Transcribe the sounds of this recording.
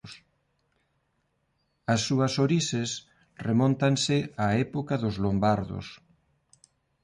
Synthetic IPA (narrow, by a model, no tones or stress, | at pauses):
s | ɐsːuɐsoɾisɪs | remɔ̃nt̪ansɪaɛpokɐðʊzlombaɾðʊ̰s